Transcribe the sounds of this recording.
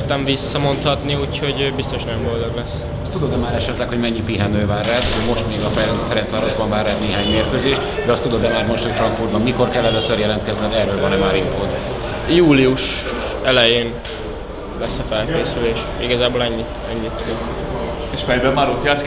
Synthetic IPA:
t̪ɛɱvisːɒmo̞nt̪hɒt̪niuːcho̞ɟøːbist̪o̞ʃnɛjomɡold̪oɡlɛs | ɒst̪ud̪od̪ɛmaːɾɛʃɛt̪lɛkho̞ɟmɛɲːipiɦɛnøːvaːrːaːt̪omo̞ʃt̪meːɡɒfɛfɛɾɛnsʋaːɾoʒbɒɱvaːrːaːt̪neːɦaːɲmeːrkøːzeːʃtd̪ɛɒst̪ud̪od̪ɛmaːrmo̞ʃt̪ho̞cfrɒŋkfurd̪bɒmmiko̞rkɛlːɛløsørjɛlɛnt̪kɛznɛk̪ɛrøːlvɒnɛmaːɾiɱfoːt̪ | juːliuʃ | ɛlɛjeːn | lɛsːɒfɛlkeːsyleːʃ | iɡɒzaːbolɛɲːi | ɛɲːit̪ːud̪ot̪ | eʃfɛjbɛmaɾut̪jat̪s

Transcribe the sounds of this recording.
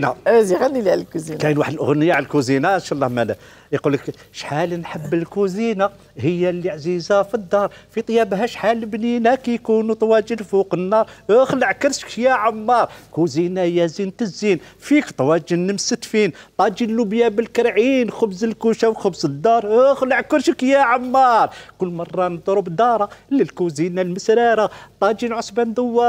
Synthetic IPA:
naziɣænːililkuzinkæjənwaħəd̪əlʔə̰ɣnəjːaʕlkuzinaənʃɑlˤːɑhmænæ | jqulək | ʃħalnħəbːəlkuzina | həjːæləʕzizafid̪ːɑɾˤfit̪ˤjːæbɦæʃħalːbninækæjkunut̪ˤwæd͡ʒəlfuqənːɑɾˤəxləʕkəɾʃkjæʕamːɑɾˤkuzinæjæzint̪əzːinfikt̪ˤɑwæd͡ʒənːəmsət̪fint̪ˤɑd͡ʒinlubjæbəlkəɾʕinxʊbzəlkuʃawxəbzəd̪ːɑɾˤhəxləʕkəɾʃəkjæʕamːɑɾˤkʊlːmɑrˤːɑnəd̪ˤɾʊbd̪ɑɾˤɑləlkuzinælməsɾɑɾat̪ˤɑd͡ʒinʕosbænd̪əwːɑɾ

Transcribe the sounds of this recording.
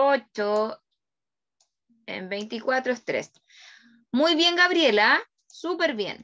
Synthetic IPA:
ot͡ʃo | ḛmbejnt̪ikwat̪ɾoest̪ɾḛs | mujβje̞ŋɡaβɾje̞la | supe̞ɾβjḛn

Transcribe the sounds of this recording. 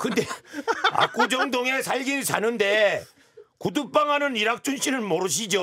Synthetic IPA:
kɯnde̞a̰k͈ud͡ʑʌŋdoŋe̞sʰaʎɡiɭsʰanɯnde̞ | kudup̚p͈aŋɦanɯniɾak̚t͡ɕ͈unɕʰinɯɭmʌɾɯɕ̬ʰid͡ʑo

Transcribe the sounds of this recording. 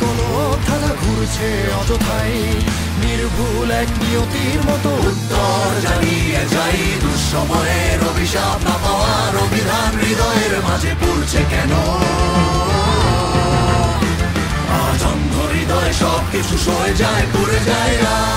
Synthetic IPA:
kolo | t̪ʰakaɡʱuɾt͡ɕʰe | ɔd͡ʑot̪ʰaj | niɾbʱu | lɛkniot̪iɾmɔt̪out̪ːɔ | ɾd͡ʑanied͡ʑajd̪uɾʃɔmɔjeɾobʱiʃabnapaoa | ɾobʱid̪ʱanɾid̪ɔeɾmad͡ʑʱepuɾt͡ɕʰekɛno | ad͡ʑɔŋɡʱoɾid̪ɔeʃɔb̚kit͡ɕʰuʃoed͡ʑaekoɾed͡ʑaeɾa

